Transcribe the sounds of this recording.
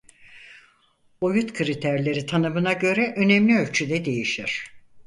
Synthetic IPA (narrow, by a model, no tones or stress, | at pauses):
ojut̪kʰɯɾit̪ʰæɾlʲe̞ɾit̪ʰanɯmɯnaɟø̞ɾɛʔø̞nɛmlʲiø̞lʲt͡ʃʰyd̪ɛd̪e̞jiʃiɾ̥